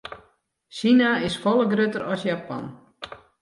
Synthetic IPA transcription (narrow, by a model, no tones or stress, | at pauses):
sinaɪsfɔlˠəɡrøtəɾɔsjapɔ̰n